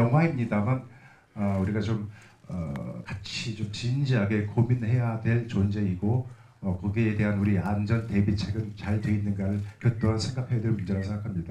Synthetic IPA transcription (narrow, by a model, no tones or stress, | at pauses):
jʌŋɦwaimɲidaman | ʌuɾiɡat͡ɕom | ʌ̰kat͡ɕʰit͡ɕomt͡ɕind͡ʑiɦaɡe̞kominhe̞jadwe̞ɭt͡ɕond͡ʑe̞iɡo | ʌkʌɡiːde̞ɦanuɾiand͡ʑʌnte̞bit͡ɕʰe̞ɡɯnt͡ɕaɭtwe̞inːɯnɡaɾɯɭkjʌt̚t͈oɦansʰe̞ŋɡakʰeadweɾmund͡ʑeɾasʰŋɡakʰamɲida